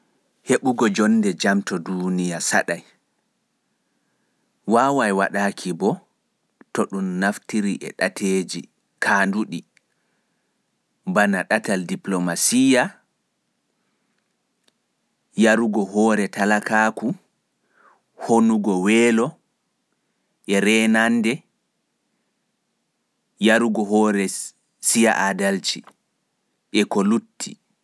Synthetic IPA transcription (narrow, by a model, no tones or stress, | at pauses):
heɓuɡɔd͡ʒɔnːdɛd͡ʒamtɔdunijasa̰ɗaj | waːwajwaɗakʰibɔ | tɔɗumːaftiɾiʔɛ̰ɗatʰeːd͡ʒi | kʰaːnduɗi | banaɗataldiplomasija | jaɾuɡɔɦɔːɾɛtʰalakaːku | honuɡɔwɛːlɔ | ʔɛɾɛnandɛ | jaɾuɡɔɦɔːɾɛ | sijaʔadalt͡ʃi | ʔɛkɔlutːḭ